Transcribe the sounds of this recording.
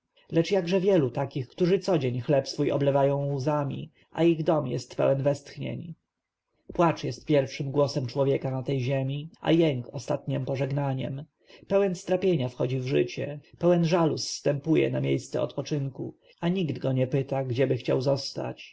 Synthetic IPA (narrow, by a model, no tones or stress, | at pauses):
lɛt͡ʂjaɡʐɛvʲjɛlut̪akʲixkt̪uʐɘt̪sɔd͡ʑeɲxlɛpsfujɔ̰blɛvajɔ̃w̃uzamʲḭ | ʔa̰iɣd̪ɔmjɛ̰st̪pɛ̰wɛnvɛst̪xɲḛɲ | pwat͡ʂjɛst̪̚pʲjɛɾfʂɘmɡwɔsɛmt͡ʂwɔvʲjɛkanat̪ɛjʑɛmʲiʔa̰jɛŋkɔst̪at̪ɲɛmpɔʐɛɡnaɲɛ̰m | pɛwɛnst̪ɾapʲjeɲafxɔd͡ʑivʐɘ̰t͡ɕɛpɛwɛnʐalusːt̪ɛmpujɛ̰namʲjejst̪sɛ̰ɔ̰t̪pɔt͡ʂɘŋku | aɲiɡd̪ɡɔɲɛpɘt̪aɡd͡ʑɛbɘxt͡ɕa̰wzɔst̪a̰t͡ɕ